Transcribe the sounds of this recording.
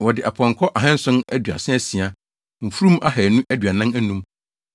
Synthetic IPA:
wɔ˨dɪ˨ʔa˨pʰɔ̃˨ŋ˨kʰɔ˦ʔa˨ɦɛ̃˦n̩˦sʊ̃˦næ˦dɥa̰˨sɪ̃˦ɛ˦si˨a˦ | m̩˨fu˦ɾũ˦mʔa˦hɛ˨nũ˦ʔæ˦dɥa˨nã˦æ˦nũ˦m

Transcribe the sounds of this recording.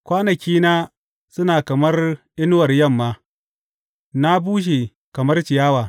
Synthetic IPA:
kʷaː˦nɐ˨kʲiː˦naː˦ | sʊ˦naː˨kɐ˨mɐ˦rʔɪ˦nʊ˦wɐ˨rjɐ˦˨mːaː˦ | na˦buː˦ʃ̬eː˨ | kɐ˨mɐ˦rt͡ʃɪ˨jaː˦waː˨

